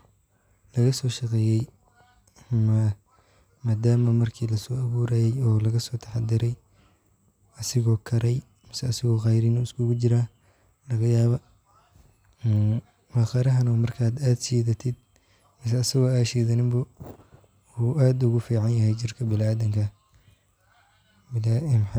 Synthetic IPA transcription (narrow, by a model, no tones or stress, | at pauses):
lɐɣɐsɔːʃɑqɛːjɛj | ɐmɐ | maːd̪aːmɐmɐrkʰiːlɐsɔːɐβuːɾaːjɛjɔːlɐɣɐsɔːt̪ʰɐ̥ħɑd̪ɪɾɛj | ɐsɪɣɔːkʰɐɾɛj | mɪsɐːsɪɣɔːqɑjɾɪnɔɪskʰʊɣʊt͡ʃɪɾaː | lɐɣɐjaːβɐ | wɑxɐɾɐɦɐnɔmɐrkʰaːd̪aːd̪siːðɐt̪ʰɪd̪̚ | mɪs̬ɐːsɪɣɔaːʃɛːðɐnɪmbʊ | uʔaːd̪ʊɣʊfiːʕɑnjɐɦɛjt͡ʃɪrkʰɐbɪlaːðɐŋkʰɐ | bɪlaʔɪmħ